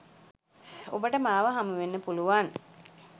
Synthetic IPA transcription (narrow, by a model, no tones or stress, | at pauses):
obəʈəmaːʋəɦamuʋenːəpuluʋan